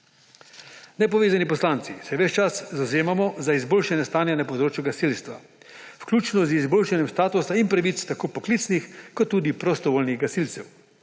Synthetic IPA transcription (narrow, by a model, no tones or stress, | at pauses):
nɛpɔʋeːzanipɔslant̪sisɛʋɛt͡ʃt͡ʃaszawzeːmamɔzaizboːlʃanjɛst̪aːnjanapɔd̪ɾoːt͡ʃjuɡasilst̪ʋa̰ | fklʲuːt͡ʃnɔzizboːlʃanjɛmst̪aːt̪usaimpɾaʋit̪st̪akoːpɔkliːt̪snixkɔt̪ːuːd̪ipɾɔst̪ɔʋoːlniɣɡasilt̪sɛw